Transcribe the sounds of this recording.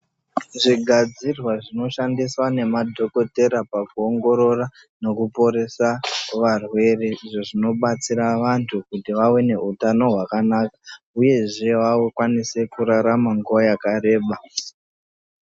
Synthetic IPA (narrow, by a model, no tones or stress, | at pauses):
ʐiɡʱad͡zirwaʐino̞ʃandiswane̞madʱo̞ko̞te̞ɾapakuoŋɡo̞ɾo̞ra | no̞kupo̞ɾe̞saʋarwe̞reʐeʐino̞ɓat͡siɾaʋantʰukutiʋawene̞utano̞ɦwakanakḁ | uje̞ʐe̞ʋawokwanise̞kuɾaɾamaŋɡuojakare̞ːɓa